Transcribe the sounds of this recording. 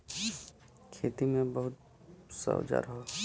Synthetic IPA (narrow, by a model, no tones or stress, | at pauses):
kʰeːt̪imẽbɐɦʊt̪̚ | sə̰d͡ʒa̰ɾɦoː